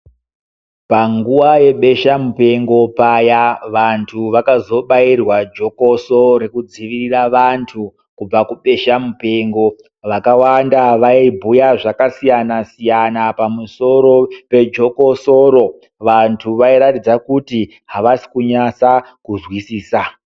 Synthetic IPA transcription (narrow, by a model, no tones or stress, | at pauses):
paŋɡuwaje̞ɓe̞ʃamupe̞ŋɡo̞pajaʋantʰuʋakazo̞ɓairwad͡ʒo̞ko̞soɾe̞kud͡ziʋiriraʋantʰu | kub͡vakuɓe̞ʃamupe̞ŋɡo̞ | ʋakawandaʋaibʱujaʐakasijanasijanapamuso̞ɾo̞pe̞d͡ʒo̞ko̞soɾo̞ | ʋantʰuʋaiɾatid͡zakuti | ɦaʋasi̥kuɲasa | kuzwisiːsa